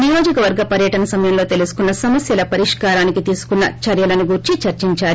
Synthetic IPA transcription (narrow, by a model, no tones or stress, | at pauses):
nijo̞ːd͡ʒikɐʋɐɾɡɐpɐɾjɐʈɐnɐsɐmɐjɐmlo̞ːt̪elusu̥kunːɐsɐmɐsjɐlɐpɐɾiʂkaːɾaːnikit̪iːsu̥kunːɐ̰t͡ʃɐɾjɐlɐnuɡuɾt͡ʃit͡ʃɐɾt͡ʃiɲt͡ʃaːɾi